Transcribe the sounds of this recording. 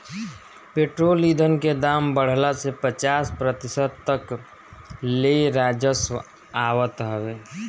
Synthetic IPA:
peːʈɾoːlid̪ʱənked̪aːmbəɽ̤lasepət͡ʃaːspɾət̪ɪsəd̪̚t̪ək | leɾaːd͡ʒəswə | aːwət̪ɦəʋeː

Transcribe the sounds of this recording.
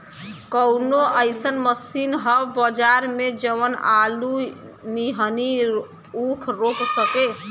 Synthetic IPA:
kəwnoʔəjsənməsinɦəbbəd͡ʒaɾmed͡ʒəʋənalu | niɦəni | ukʰɾoksəke

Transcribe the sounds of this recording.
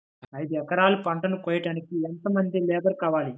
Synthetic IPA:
ɐjd̪uɛkɐɾaːlupɐɳʈɐnukɔːjɐʈaːnikiɛnt̪ɐmɐnd̪ilɛːb̪ɐɾkaːʋaːli

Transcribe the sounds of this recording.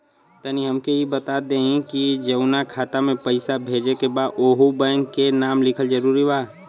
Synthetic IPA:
t̪əniɦɐmkeɦibət̪ad̪ẽːɦĩkid͡ʒɐʊnakʰaːt̪amẽpɐɪsabʱeːd͡ʒekebaːd̪oːɦubəːnkenaːmlɪkʰəld͡ʒəɾuːɾibaː

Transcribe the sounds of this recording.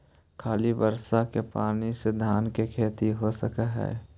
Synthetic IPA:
kʰaːlibəɾsakepaːnised̪ʱaːnkekʰeːt̪iɦosəkaɦɛ̰ː

